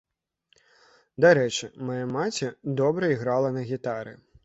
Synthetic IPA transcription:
d̪aɾɛt͡ʂɨmajamat͡sʲɛd̪ɔbɾɐiɣɾalˠɐnɐɣʲit̪aɾɨ̰

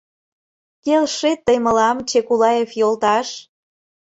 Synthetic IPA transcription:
kelʃet̪ːəjməlɑmt͡ɕekulɑjefjolt̪ɑʃ

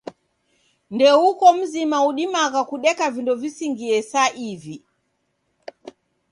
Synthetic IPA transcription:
ndɛukɔm̩zimauɗimakakuɗɛkavindɔvisiŋɡiɛsaʔivi

